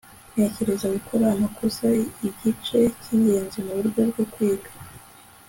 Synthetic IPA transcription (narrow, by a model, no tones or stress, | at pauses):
n̥e̞ce̞ɾe̞zaɡukʰoɾamakuzaiɟit͡ʃe̞ciːɲɡe̞ːnzimuβuɾɟo̞bɡo̞kwiːɡḁ